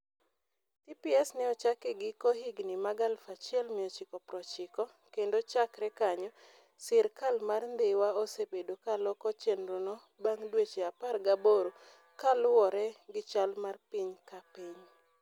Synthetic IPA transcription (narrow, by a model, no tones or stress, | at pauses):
t̪ipiɛsnɛɔt͡ʃakɪɡɪkohiɡnimaɡalfat͡ʃɪɛlmɪɔt͡ʃɪkɔpɾɔt͡ʃɪkɔ | kendot͡ʃakɾɛkaɲɔ | sɪɾkalmarnd̪ɪwaosepedokalɔkɔt͡ʃenɾonɔ | baŋdwet͡ʃeaparɡaboɾo | kalʊwɔɾɛɡɪt͡ʃalmarpiɲkapiɲ